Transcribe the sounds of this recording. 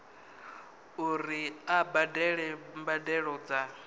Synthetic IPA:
uɾiabadɛɺɛmbadɛɺɔd͡za

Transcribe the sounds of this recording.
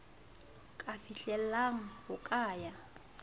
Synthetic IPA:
kʼafiɬɛlaŋ̩hʊkʼaːja

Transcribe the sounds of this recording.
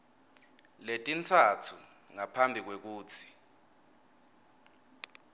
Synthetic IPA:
letʼint͡sʰatʰu | ŋapʰambʱik̬wek̬uːt͡sʰi̥

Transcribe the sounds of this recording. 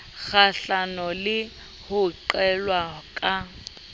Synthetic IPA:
ɣaɬanɔlɪ | hʊǃɛlwakʼa

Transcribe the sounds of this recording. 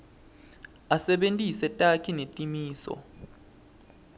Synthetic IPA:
asɛɓentʼisɛtʼakʰinetʼimiːsɔ̰

